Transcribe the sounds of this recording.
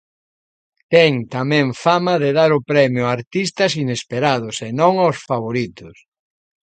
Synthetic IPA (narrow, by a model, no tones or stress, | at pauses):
t̪ɛŋt̪amɛ̃ŋfamɐðeðaɾʊpɾɛmjʊaɾt̪ist̪ɐsinespeɾaðʊsenõŋawsfaβ̞oɾit̪ʊs